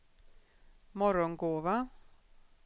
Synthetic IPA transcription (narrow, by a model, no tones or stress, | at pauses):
mɔɾɔnɡoːva